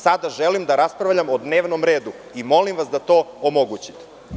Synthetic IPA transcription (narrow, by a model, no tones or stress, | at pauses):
sad̪aʒelimd̪aɾaspɾaʋʎamod̪neːʋnomɾe̞ːd̪u | imo̞limʋasd̪at̪o̞ːomoɡut͡ɕi̥t̪e̥